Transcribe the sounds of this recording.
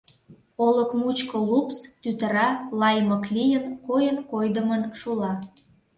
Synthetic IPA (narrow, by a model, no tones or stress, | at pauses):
oləkmut͡ɕkəlupst̪yt̪əɾɑlɑjməklijənkojənkojd̪əmənʃulɑ